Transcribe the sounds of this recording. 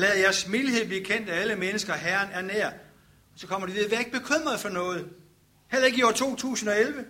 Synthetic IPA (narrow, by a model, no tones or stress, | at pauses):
lɛð̩ˠjæɐsmilihe̝ð̰ˠbliɐkʰen̰d̥ææləmenəsɡ̥ɐɦæːɐnæɐneɐ̰ | ɒsɒ̽kʰɒ̽m̰ɐd̥iʋiðˠɐʋæɐe̝ɡ̥əb̥e̝kʰøm̰ʁɐðˠfɒ̽nɔ̽ːð̞̩ˠ | hel̰ɐe̝ɡ̥jo̰ɐt͡sʰo̝̰ːt͡sʰṵːsn̩ɒ̽elʋə